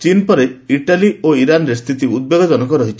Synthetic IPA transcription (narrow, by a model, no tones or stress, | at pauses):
t͡ʃinpɔɾeiʈalioiɾanɾest̪ʰit̪iud̪̚beɡɔd͡ʒɔnɔkɔɾɔɦit͡ʃʰi